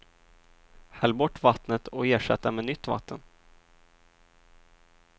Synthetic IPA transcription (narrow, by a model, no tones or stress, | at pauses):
hɛlːbɔʈːvat̪nət̪ʰɔeːʂɛ̰t̪ːamɛnʏt̪ːva̰t̪ʰːən